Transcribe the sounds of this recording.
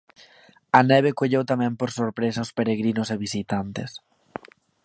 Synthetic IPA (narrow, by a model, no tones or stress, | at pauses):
ɐnɛβ̞ekoʎewt̪amɛ̃mpoɾsoɾpɾesaʊspeɾeɣɾinʊseβisit̪ant̪ḛs